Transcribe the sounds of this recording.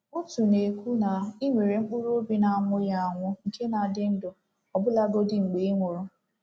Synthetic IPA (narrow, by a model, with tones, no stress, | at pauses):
ʊ˦tu˨ne˨kʷu˦na˨i˦ŋʷe˨ɾe˨ŋ͡m̩˦k͡pʊ˦ɾo˦bi˦na˨a˨mʊ˦ja˦a˨ŋʷʊ˦ŋ̩˨kʰe˦na˨dɪ˦n̩˦dʊ˨ | ɔ˨bʊ˦la˦ɡo˦dɪ˦˨ŋ͡m̩˨ɡ͡be˨i˦ŋʷʊ˨ɾʊ˦